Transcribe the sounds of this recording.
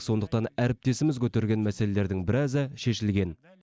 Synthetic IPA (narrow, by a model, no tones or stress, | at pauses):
so̞nd̪əqt̪ɑnæɾɪp̚t̪e̞sɪmɪzkʲʰɵt̪eɾɡʲe̞nmæse̞lele̞ɾd̪ɪŋbɪɾæzɪʃe̞ʃɪlɡʲe̞n